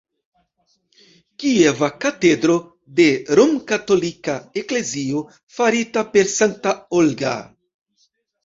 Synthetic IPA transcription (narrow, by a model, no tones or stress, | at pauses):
kievakate̞dɾo̞ | de̞ɾomkato̞likaekle̞zio̞ | faɾitape̞ɾsaŋtaolɡa̰